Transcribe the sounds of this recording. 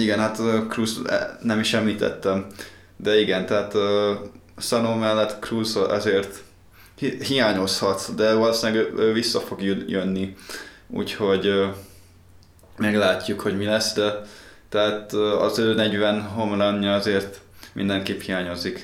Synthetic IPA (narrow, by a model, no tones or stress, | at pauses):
iɡɛnɦat̪øːkruːz̰nɛmiʃɛmliːt̪ɛ̰t̪ːɛm | d̪ɛiɡɛnt̪ɛɦaːt̪ø | sɒnoːmɛlːɛt̪kruːzʔɛ̰zeːrt̪ | ɦijaːɲo̞shɒt̪d̪ɛvɒloːsilɛɡøːøːvisːɒfo̞ɡjujønːi | ṵːcho̞ɟ | mɛɡlaːcːukho̞ɟmilɛsd̪ɛ | t̪ɛɦaːt̪ːɒ̰zøːnɛɟʋɛnɦo̞mlanːɒɒzeːrt̪ | mḭnd̪ɛŋkeːphijaːɲo̞zik